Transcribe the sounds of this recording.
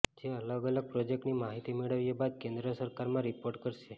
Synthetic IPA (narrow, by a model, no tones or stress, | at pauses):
d͡ʒeələɡələɡ̚pɾod͡ʒek̚ʈnimaɦit̪imeɭəʋjebad̪̚kẽnd̪ɾəsəɾkaɾmãɾipoɾʈkəɾʃe